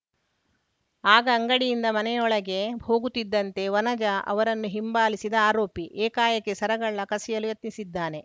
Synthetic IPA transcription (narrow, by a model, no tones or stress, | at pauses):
aːɡɐːŋɡɐɽijind̪ɐmɐnɛjɔɭɐɡe̞ho̞ːɡut̪ːid̪ːɐnt̪e̞ʋɐnɐd͡ʒɐʔɐ̰ʋɐɾɐnːuɦimbaːlisid̪ɐaːɾo̞ːpiʔeːkaːjɐkːesɐɾɐɡɐɭːɐkɐsijɐlujɐt̪nisid̪ːaːne̞